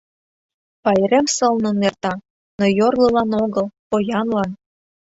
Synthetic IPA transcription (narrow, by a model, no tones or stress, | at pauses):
pɑjɾĕmsɤ̆lnonert̪ɑ | nojorlɤ̆lɑnoɣɤ̆lˠpojɑnlɑn